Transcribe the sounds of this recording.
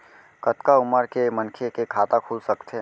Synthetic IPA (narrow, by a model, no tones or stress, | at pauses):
kət̪kaʊməɾkemənkʰekekʰaːt̪akʰuːlsɐkt̪ʰe